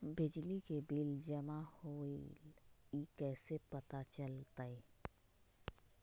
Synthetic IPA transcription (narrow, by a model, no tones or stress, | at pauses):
bɪd͡ʒlikebild͡ʒəmahoːilikɛːsepɐt̪at͡ʃəlt̪ai